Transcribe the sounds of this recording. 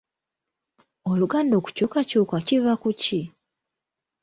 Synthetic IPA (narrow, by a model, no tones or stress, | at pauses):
oluɡaːndo̞ːku̥cuːkacuːkacivakuci